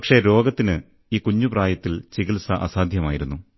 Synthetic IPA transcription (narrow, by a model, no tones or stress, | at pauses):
pɐkʂe̞ɾo̞ːɡɐt̪ːinɨ | iːkuɲːupraːjɐt̪ːilt͡ɕiɣilsɐʔɐsaːd̪ʱjɐmaːjiɾunːu